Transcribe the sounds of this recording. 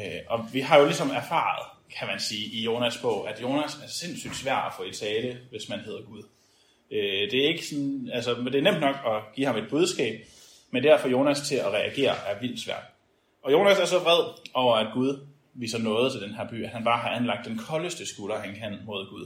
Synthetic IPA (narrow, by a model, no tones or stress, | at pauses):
ʔɒ̽ʋiɦɑ̈jo̝lisɒ̽mæɐfɑ̰̈ð̞̩ˠkʰæmænsiːʔijo̝ːnæsb̥ɔ̰̽ʊ̰ʔæd̥jo̝ːnæsæɐse̝n̰sy̰d̥sʋæɐ̰d̥æfɔ̰̽ːit͡sʰɛːləʋe̝smænhe̝ð̰ˠɐɡ̥uðˠ | ød̥e̝æɐe̝ɡ̥ə̥sɒ̽nælsɒd̥e̝æɐnem̰d̥nɒ̽ɡ̥ɒ̽ɡ̥ḭːhɑ̈me̝d̥̚b̥uð̞ˠsɡ̥ɛ̰ːb̥̚ | mend̥æɐ̰fɒ̽jo̝ːnæst͡sʰe̝læʁɛʔæɡ̥e̝̰ːɐʔæɐʋil̰d̥sʋæɐ̰d̥ | ʔɒ̽jo̝ːnæsæɐsɒ̽fʁɛð̰ˠɒʊɐæd̥̚ɡ̥uðˠ | ʋḭːsɐnɔ̽ːð̩ˠt͡sʰe̝ld̥enɦæɐ̰b̥y̰ːæd̥hænb̥ɑ̈ːɦɑ̈ænlɑ̈ɡ̥̚d̥ːenkʰɒ̽ləsd̥əsɡ̥ulɐhænkʰæn̰mo̝ð̞ˠɡ̥uð̞ˠ